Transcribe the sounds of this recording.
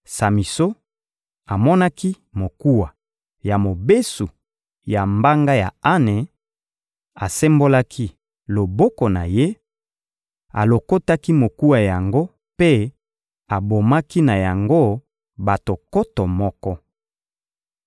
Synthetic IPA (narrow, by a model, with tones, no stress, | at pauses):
sa˨mi˨so˦ | a˨mɔ˦na˦ki˦ | mo˨ku˦wa˨ | ja˨mo˨be˦su˨ | ja˨mba˦ŋɡa˦ja˨a˦ne˨ | a˨sɛ˦mbo˦la˦kʰi˦ | lo˨bɔ˦kɔ˨na˨je˦ | a̰˨lo˨ko˦ta˦ki˦mo˨ku˦wa˨ja˨ŋɡo˦ | pe˦ | a˨bo˨ma˦ki˦na˨ja˨ŋɡo˦ | ba˨to˨kɔ˦tɔ˨mɔ˦kɔ˦